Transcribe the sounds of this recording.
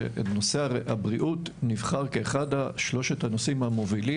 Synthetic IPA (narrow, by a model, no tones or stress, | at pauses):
ḛtno̞se̞aʁeabʁiʔutnivχaʁkeːχadaʃlo̞ʃethanosimhamo̞vili